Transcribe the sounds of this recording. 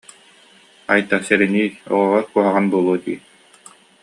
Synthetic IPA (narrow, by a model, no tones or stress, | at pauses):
ajt̪asɛɾɛniːɔ̰ʁɔʁɔɾkuɔɦaʁanbuɔlˠuɔt̪ḭː